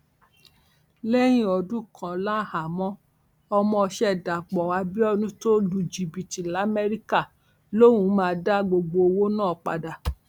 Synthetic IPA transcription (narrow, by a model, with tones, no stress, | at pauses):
lɛ˦j̃ĩ˦ɔ˧dũ˦kʰã˨lã˦˨ha˨mɔ̃˦ | ɔ˧mɔ̃˧ʃɛ˧˦˨da˨k͡pɔ˨wa˧˦bi˦ɔ˦nũ˦to˦lu˧d͡ʒi˨bi˨ti˨la˨˦mɛ˦ɾi˦ka˦˨ | lo˦wũ˨˦mãː˧da˦ɡ͡bo˧ɡ͡bo˧o˧wo˦nãː˦˨k͡pa̰˧da˨